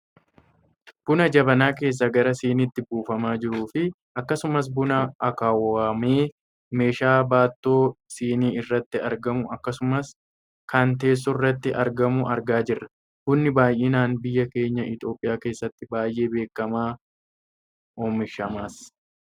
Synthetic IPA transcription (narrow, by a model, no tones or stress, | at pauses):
b̥ʊnɐd͡ʒɐbɐnaːke̞ːs̬ːɐɡɐɾɐsiːnɪt̪ːɪbuːfɐmaːd͡ʒɪɾuːfɪ | ɐkːɐsʊmɐs̬bʊnɐɐkaːwaːmeː | me̞ːʃaːbaːt̪ːoːsiːniːɪrːɐt̪ːɪɐɾɡɐmʊʔɐkːɐsʊmɐs | kɐnt̪e̞ːs̬ːʊrːɐt̪ːɪʔɐɾɡɐmʊʔɐɾɡaːd͡ʒɪrːɐ | hʊnːɪbaːjʔeːnaːnbɪjːɐke̞ːɲːɐʔɪt̪o̞ːpʼɪjaːke̞ːsːɐt̪ːɪbaːjʔe̞ːbe̞ːkːɐmaː | oːmɪʃɐmaːs